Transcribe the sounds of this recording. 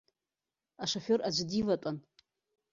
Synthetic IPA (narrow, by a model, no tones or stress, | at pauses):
aʂoforad͡ʒʷdivatʷʼan